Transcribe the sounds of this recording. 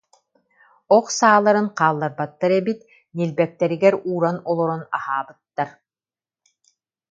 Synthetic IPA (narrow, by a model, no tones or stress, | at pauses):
ɔqsaːlˠːaɾɯŋqaːlˠːaɾbat̪ːaɾɛbit̪ | nilbɛk̚t̪ɛɾiɡɛɾuːɾanɔlˠɔɾɔnahaːbɯt̪ːaɾ